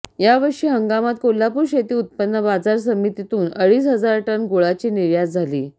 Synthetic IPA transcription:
jaʋəɾʂiːɦəŋɡamat̪̚kolːapuɾɕet̪iːut̪̚pənːəbad͡zaɾs̬əmit̪it̪uːnəɭiːs̬ɦəd͡zaɾʈənɡoɭat͡ɕiːniɾjad͡zd͡zʱalḭː

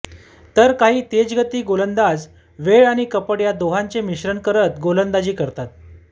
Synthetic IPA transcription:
t̪əɾkaɦiːt̪ed͡zɡət̪iːɡolənd̪ad͡z | ʋeɭaɽ̃ikəpəɽjad̪oɦaɲt͡semiɕɾəɳkəɾət̪ɡolənd̪ad͡ʑiːkəɾt̪at̪̚

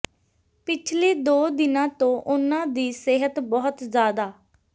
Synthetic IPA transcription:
pɪt͡ʃʰleːd̪oːd̪ɪnãːt̪õːʔʊnãːd̪iːseɦət̪bɔːʊt̪zjaːd̪aː

